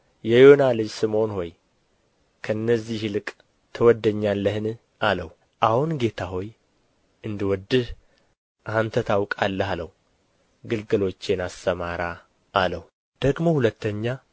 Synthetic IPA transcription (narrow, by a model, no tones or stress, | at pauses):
jɛjonalɨd͡ʒsɨmo̞nho̞j | kʰəɨnːəzːihɨlɨkʼ | t̪ʰəwɔd̪ːəɲːalːəhɨn | aləwu | ʔahunɡe̞t̪ʰaɦo̞j | ɨnd̪ɨwɔd̪ːɨh | ʔant̪ʰət̪ʰawkʼalːəhaləhu | ɡɨlɡɨlo̞t͡ʃːenast̪əmaɾaː | ləhwu | d̪̥əɡmo̞hulət̪ːəɲːa